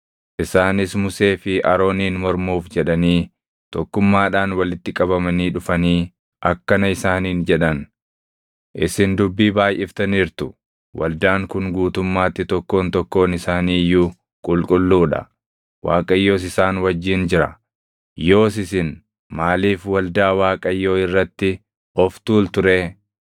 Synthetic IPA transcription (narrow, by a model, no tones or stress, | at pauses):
ʔɪsaːnɪsmʊseːfɪʔɐɾo̞ːniːnmɔɾmuːfd͡ʒɛᶑɐniː | t̪ɔkːʊmːaːᶑaːnwɐlɪt̪ːɪkʼɐbɐmɐniːᶑʊfɐniː | ʔɐkːɐnɐɪsaːniːnd͡ʒɛᶑɐn | ʔɪsɪnd̪ʊbːiːbaːjʔɪft̪ɐniːɾt̪ʊ̥ | wʔɐ̰ld̪aːŋkʊŋɡuːt̪ʊmːaːt̪ːɪt̪ɔkːo̞ːnt̪ɔkːo̞ːnɪsaːniːjːuː | kʼʊlkʼʊlːuːᶑɐ̰ | wa̰ːkʼɐjːo̞ːs̬ɪsaːnwɐd͡ʒːiːnd͡ʒɪɾɐ | jo̞ːs̬ɪsɪn | maːliːfwɐld̪aːwaːkʼɐjːo̞ːɪrːɐt̪ːɪ | ɔft̪uːlt̪ʊɾeː